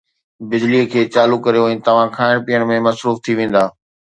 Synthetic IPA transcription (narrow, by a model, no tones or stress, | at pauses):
bɪd͡ʑliəkʰeːt͡ɕaːlukːɐɾijoɛ̃ːt̪ɐʋ̤ãkʰaːɪɽ̃piːəɽ̃mẽmɐsɾuːft̪ʰiʋẽːn̆d̪aː